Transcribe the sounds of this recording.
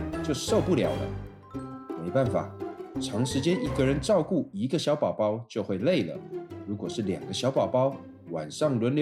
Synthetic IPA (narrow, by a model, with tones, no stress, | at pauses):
t͡ɕjo˥˧ʊ˧ʂo˥˧ʊpu˥˩ljɑ̰˨˩ʊlə̰˦ | me˧˥ɪpa˥˩nfa̰˨˩ʈ͡ʂʰɑ˧˥ŋʂɻ̩˧˥t͡ɕjɛ˥ni˧˥˩ɡə˧ɻə˧˦˥nʈ͡ʂɑ˥˧ʊku˥˩i˧˥ɡə˧ɕjɑ˧˥ʊpɑ˨˩ʊpɑ˥ʊt͡ɕjo˥˧ʊxwe˥˧ɪle˥˩ɪlə̰˩ɻu˧˥kwɔ˨˩ʂɻ̩˥˩ljɑ̰˨˩ŋɡə˦ɕjɑ˧˥ʊpɑ˨˩ʊpɑ˥ʊ | wa̰˨˩nʂɑ˥˩ŋlwə˧˥nl